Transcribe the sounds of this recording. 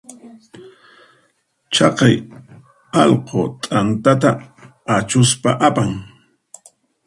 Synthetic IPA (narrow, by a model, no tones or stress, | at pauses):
t͡ʃɑqɑj | ɑlqʰot̪ʼant̪at̪a | at͡ʃʊspaʔapaŋ